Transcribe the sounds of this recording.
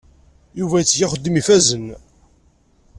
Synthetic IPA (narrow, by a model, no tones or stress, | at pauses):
juvæjət͡sːʝaχəd̪ːimifæzən